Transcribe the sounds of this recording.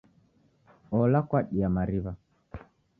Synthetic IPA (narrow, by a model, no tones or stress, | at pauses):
ɔlakwaɗiamaɾiβa